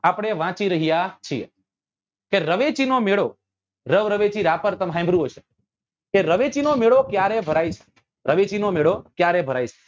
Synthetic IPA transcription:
apɽ̃eʋãt͡ʃiɾəɦijat͡ʃʰiḛ | keɾəʋet͡ʃinomeɭo | ɾəʋɾəʋet͡ʃiɾapəɾt̪əmɦãj̃mbʱɾuɦot͡ʃʰe̥ | eɾəʋet͡ʃinomeɭokjaɾebʱəɾait͡ʃʰe̥ | ɾʔəʋet͡ʃinomeɭokjaɾebʱəɾajt͡ʃʰe̥

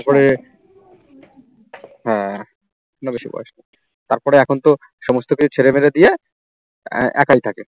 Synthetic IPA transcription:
t̪aɾpɔɾe | ɦɛ̃ | konobeʃibɔ̰eʃna | t̪aɾpɔɾeɛkʰont̪o | ʃɔmost̪okit͡ɕʰut͡ɕʰeɾemeɾed̪ije | ʔɛ̰kajt̪ʰake

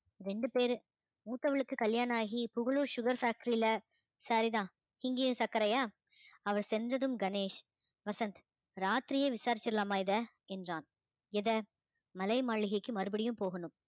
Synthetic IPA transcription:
ɾɛɳɖɯpeːɾ | muːt̪ːɐʋɐɭɯkːɯkɐljaːnaːɣipʊɣɐɭuːɾʃʊɣɐɾfaːk̚ʈɐɾilɐ | saːɾit̪ãː | ɪŋɡeːjɯ̃msɐkːɐɾɐjaː | ɐʋɐɾsɛndrɐðɯmɡɐneːʂ | ʋɐsɐnt̪ | ɾaːt̪ɾɪjeːʋɪsaːɾɪt͡ʃːɪɾɯlaːmaːɪðɐ | ɛndraːn | ɪðɐ | mɐlɐɪmaːɭɪɣɐɪkːɯmɐɾɯbɐɽɪjɯ̃mpoːɣɐnɯm

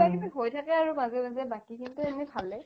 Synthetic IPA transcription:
ajdibiɦojtʰakɛaɹumazɛmazɛbakikintʊenɛbʰʱalɛ

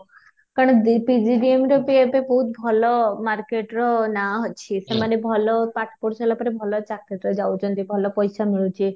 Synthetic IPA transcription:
kaɾɽ̃ɔd̪ipid͡ʒiɖiemɾopiepebɔɦut̪̚bʱɔlɔmaɾkeʈɾɔnaɦɔt͡ʃʰisemanebʱɔlɔpaʈʰpoɾselapɔɾebʱɔlɔt͡ʃakeʈɾɔd͡ʒawt͡ʃʰɔnt̪ibʱɔlɔpɔjsamiɭut͡ʃʰi

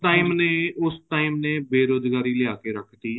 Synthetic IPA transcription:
ʈaːiːmneːʊsʈaːiːmneːbeːɾoːzɡaːɾiːlɪaːkeːɾəkʰt̪iː

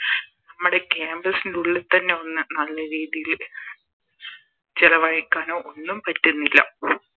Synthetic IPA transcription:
nɐmːuɽe̞keːmbrɐsinduɭːɐt̪ːɐnːe̞o̞nːɨnɐlːɐɾiːðijil | t͡ɕilɐʋɐjɐkːaːnoːonːumpɐtːunːilːɐ̰

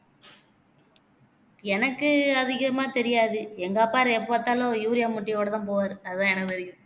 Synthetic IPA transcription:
ɛnɐkːɯɐðɪɣɐmaːt̪ɛɾɪjaːðɯɛŋɡaːpːaːɾɛpːoːt̪ːaːloːjuːɾɪjaːmʊʈːɪjoːɽɐt̪ãːpoːʋaːɾɯɐðɯt̪ãːɛnɐkːɯt̪ɛɾɪjʊ̃

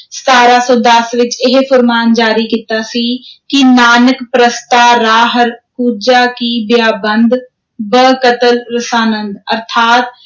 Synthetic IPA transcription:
st̪aːɾasɔːd̪əsʋɪt͡ʃɪɦfʰʊɾmaːnd͡ʒaːɾikit̪asikinaːnəkpɾəst̪aːɾaːɦəɾkuːd͡ʒakibjaːbə̃nd̪ʱ | bəkət̪əlɾəsaːnə̃nd̪ɐɾt̪ʰaːt̪̚

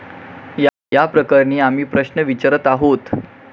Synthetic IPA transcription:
j | japɾəkəɾɳiːam̤iːpɾəɕnəʋit͡ɕəɾət̪aɦot̪

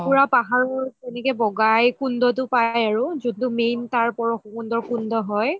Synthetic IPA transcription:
puɹapaɦaɹɔɹtɛnɛkɛbɔɡajkundɔt̬ʊpajaɹʊzudtʊmejntaɹpɔɹɔxukundɔɹkundɔɦɔj

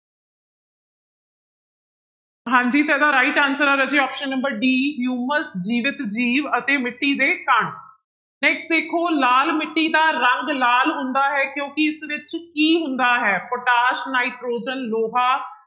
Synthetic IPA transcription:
ɦãːɲd͡ʒiːt̪ɛːd̪aːɾaːɪʈãːnsəɾaːɾəd͡ʒeːɔːpʃənːəmbəɾɖiːɦjuːməsd͡ʒiːʋɪt̪d͡ʒiːʋət̪eːmɪʈːiːd̪eːkəɳ | nɛːksʈd̪eːkʰoːlaːlmɪʈːiːd̪aːɾəŋɡlaːlɦʊ̃nd̪aːɦɛːkjõːkɪɪsʋɪt͡ʃkiːɦʊ̃nd̪aːɦɛːpoʈaːʃnaːiʈɾoːd͡ʒənloːɦaː

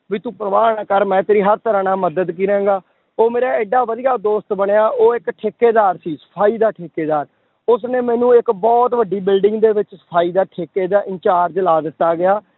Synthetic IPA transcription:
ʋiːt̪ũːpɾəʋaːnaːkəɾmɛ̃ːt̪eːɾiːɦəɾt̪əɾãːnaːməd̪əd̪k̬iːɾɛ̃ːɡaː | oːmeːɾaːɪɖːaːʋəd̪ijaːd̪oːst̪bəɳeːaːʔoːɪkʈʰeːkeːd̪aːɾsiːsə̥pʰaːiːd̪aːʈʰeːkeːd̪aːɾ | ʊsnẽːmɛ̃ːnũːɪkbɔːt̪ʋəɖːiːbɪlɖɪ̃ŋɡd̪eːʋɪt͡ʃsə̥pʰaːiːd̪aːʈʰeːkeːd̪aːʔɪ̃ɲt͡ʃaːɾd͡ʒlaːd̪ɪt̪ːaːɡɪjaː

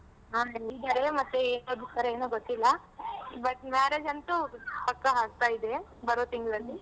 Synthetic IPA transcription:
aːeid̪ɐɾemɐt̪ːueːnod̪ut̪ɐɾeeːnuːɡot̪ːilːɐ | bɐʈ̚maːɾeːd͡ʒɐnt̪upɐkːɐɦaːɡ̚t̪aːjid̪e̞bɐɾoːt̪iŋɡd̪ɐlːi

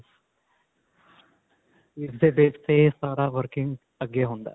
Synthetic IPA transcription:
isd̪ebeːssesaːɾaːʋɐɾkiŋɡ | ɐɡeɦond̪a̰

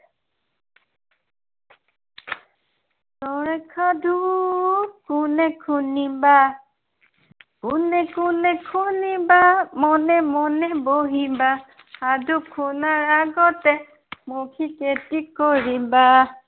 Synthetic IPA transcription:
t̪ɔɾɛkʰadʱu | kunɛkʰuniba | kunɛkunɛkʰunibamɔnɛmɔnɛboɦibaː | d̪ukʰunaɾaɡɔt̪ɛ | mokʰiketikɔɾiba

